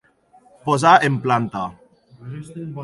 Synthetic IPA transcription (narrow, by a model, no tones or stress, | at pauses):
pozaʔemplant̪a